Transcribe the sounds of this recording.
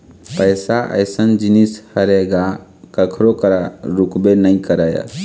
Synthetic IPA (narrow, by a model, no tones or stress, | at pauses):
pəjsaʔə̰ɪsənd͡ʒinishəɾeɡakəkʰɾokəɾaɾukbenəĩkəɾəja̰